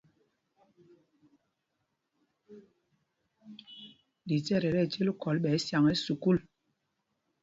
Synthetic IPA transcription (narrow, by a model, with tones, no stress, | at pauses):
di˨tɛ˦˨ɾɛ˨ɾɛ˦˨t͡ʃe˦lkɔ˨lɓɛː˨˦sja˨ŋɛ˦su˨ku˦˨l